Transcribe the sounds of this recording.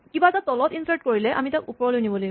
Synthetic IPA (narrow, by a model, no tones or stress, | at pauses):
kibatatɔlɔtinsaɹt̚koɹilɛʔa̰mitakupɔɹɔlojniboloj